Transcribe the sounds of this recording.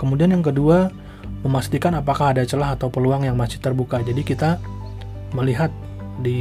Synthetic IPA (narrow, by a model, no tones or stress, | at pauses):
kəmudianjaŋkədua | məmast̪ikanapakahadat͡ʃəlaɦat̪awpəluaŋjaŋmasɪ̥ht̪ərbukad͡ʒadikit̪a | məliɦat̪̚ | di